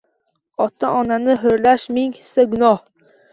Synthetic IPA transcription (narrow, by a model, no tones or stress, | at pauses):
ɒt̪ʰaʔɒnanɪɦʊɾlaʃmɪŋhɪsaɡʊnɒh